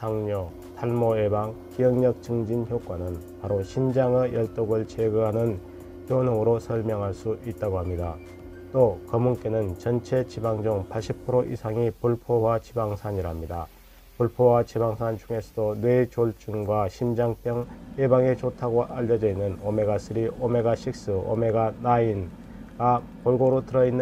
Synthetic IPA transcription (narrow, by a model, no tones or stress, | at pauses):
sʰaŋɲʌ | tʰaɭmoebaŋkijʌŋɲʌk̚t͡ɕɯŋd͡ʑinçjok͈wanɯn | paɾoɕʰimd͡ʑaŋejʌɭt͈oɡɯɭt͡ɕeɡɯɦanɯn | tjonoŋɯɾosʰʌɭmjʌŋɦaɭs͈uʔit̚t͈aɡohamɲida | t͈okʌmunk͈e̞nɯnt͡ɕʌnt͡ɕʰe̞t͡ɕibaŋd͡ʑoŋpʰaɭɕ͈ʰipʰɯɾoʔḭsʰaŋipuɭpʰowat͡ɕibaŋsʰaɲiɾamɲida | puɭpʰowat͡ɕibaŋsʰant͡ɕuŋe̞sʰʌdonwe̞t͡ɕoɭt͡ɕ͈uŋɡwaɕʰimd͡ʑaŋp͈jʌŋjebaŋet͡ɕotʰaɡoʔaʎːʌd͡ʑʌinːɯnome̞ɡas͈ʰɯɾiʔome̞ɡaɕʰik̚s͈ɯo̰me̞ɡanain | ɡa | poɭɡoɾotɯɾʌinː